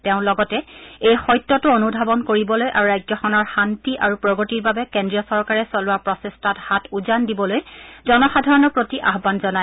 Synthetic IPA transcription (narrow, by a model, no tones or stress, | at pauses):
tɛʊ̃lɔɡɔtɛejxɔjtːɔtuonubʱabɔnkoɹibɔlojʔaɹuɹajd͡ʒɔxɔnɔɹxantiʔaɹupɹɔɡotiɹbabɛkendɹijɔsɔɹkaɹɛsɔlʊwapɹɔsestʰathatuzandibɔlojzɔnɔxadʱaɹɔnɔpɹotiʔaɦbanzɔna